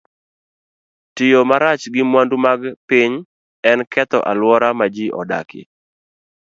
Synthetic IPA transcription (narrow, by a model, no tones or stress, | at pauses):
tɪjomaɾat͡ʃɡɪmwandumaɡpɪɲ | ɛnkʰɛt̪ɔ̰ʔalwɔɾamad͡ʒiʔɔ̰da̰kɪ̰